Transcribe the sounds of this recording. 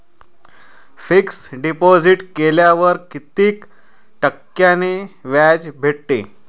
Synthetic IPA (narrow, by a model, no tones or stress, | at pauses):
fiksɖipod͡ziʈkeljaʋəɾkit̪iːk | ʈəkːjaneʋad͡zbʱeʈʈḛ